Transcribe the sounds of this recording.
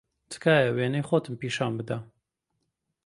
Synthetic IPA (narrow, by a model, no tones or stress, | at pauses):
t̪ʰɨ̥kaːjɛweːnejxoːt̪ɨmpiːʃaːnbɨd̪ɐ